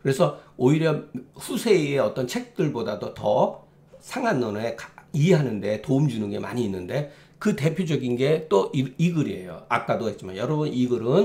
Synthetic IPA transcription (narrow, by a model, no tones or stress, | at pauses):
kɯɾe̞sʰʌoiɾjʌɸusʰe̞ieʌt͈ʌnt͡ɕʰe̞k̚t͈ɯɭbodadotʌ | sʰaŋɦanːʌnekieɦanɯnde̞toumd͡ʑunɯnɡe̞ma̰ɲiːnːɯnde̞ | kɯte̞pʰjod͡ʑʌɡinɡe̞t͈oʔiiɡɯɾiɦe̞̰jo̰ak͈̚adoɦe̞t̚t͡ɕ͈imanjʌɾʌbuniɡɯɾɯn